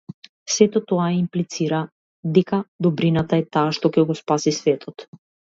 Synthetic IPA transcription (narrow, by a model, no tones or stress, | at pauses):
sɛt̪ɔt̪ɔajɛimplit̪siɾa | d̪ɛkad̪ɔbɾinat̪aɛt̪aːʃt̪ɔkɛɡɔspasisvɛt̪ʰɔt̪